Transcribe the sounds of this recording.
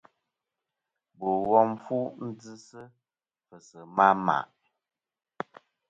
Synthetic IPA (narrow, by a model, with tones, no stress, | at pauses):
bo˨wɔ˦m˦fu˦n̩˦d͡zɨ˦sə˦ | fə˨sə˨ma˦ma̰˨ʔ